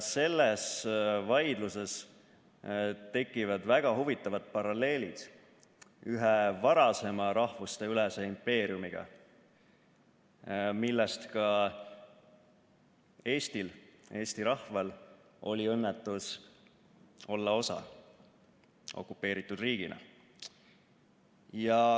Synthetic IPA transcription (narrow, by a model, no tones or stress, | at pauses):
se̞lːesvɑjd̪̥luse̞s | t̪e̞kːˑivɑd̪̥væɡ̥ɑhuvit̪ːˑɑvɑd̪̥̚pɑɾɑle̞ːlid̪̥ | yɦevɑɾɑse̞mɑɾɑhvust̪e̞ylɛseimpe̞ːɾiumiɡ̥ɑ̰ | milːɛst̪kɑ | e̞ːst̪ile̞ːst̪iɾɑhvɑl | o̞lʲiɤnːet̪ːˑus | o̞lːɑo̞sɑ̰ | ʔo̞̰kːˑupːe̞ːɾit̪ːˑud̪riːɡ̥inɑ̰ | jɑ